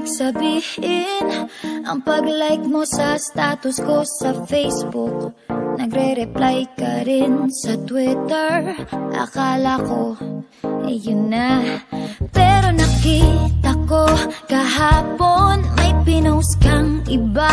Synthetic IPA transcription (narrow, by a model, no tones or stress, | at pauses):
sɐbiːhɪnʔɐŋpɐɡlajk̚mosɐst̪aːt̪ʊsko̞sɐfejsbʊk̚nɐɡɾɛɾɛplajkɐɾɪnsɐt̪wɪt̪ɛɹʔɐ̰kaːlɐko̞ | ʔɛ̰jʊnːa | pɛɾo̞nɐkit̪ɐko̞kɐɦaːponmɐjpɪnowskaŋʔɪba